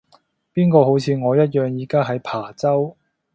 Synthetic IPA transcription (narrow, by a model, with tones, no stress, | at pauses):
piː˥nkɔː˧ho˨˥wt͡sʰiː˨˧ŋɔː˨˧jɐ˥t̬̚jœː˨˧ŋjiː˨˧kaː˥ɦɐ˨˥jpʰaː˨˩t͡sɐ˥w